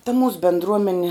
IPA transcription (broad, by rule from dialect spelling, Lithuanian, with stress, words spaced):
tɐ muːs bʲɛndˈruɔmʲɛnʲɛ